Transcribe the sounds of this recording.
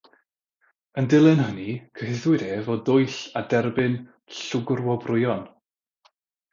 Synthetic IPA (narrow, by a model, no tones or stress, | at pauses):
əndɪlˠɨnɦənikʰəɦɪðwɪdeːvɔdʊjɬadɛrbɨn | ɬʊɡrwɔbrʊjɔn